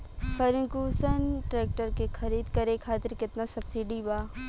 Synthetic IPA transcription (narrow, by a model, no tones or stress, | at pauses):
fɐɾɪ̃ŋkuːsənʈɾeːk̚ʈəɾkexʰɐɾiːd̪kɐɾẽkʰaːt̪ɪɾkɪt̪nasɐbsiːɖibaː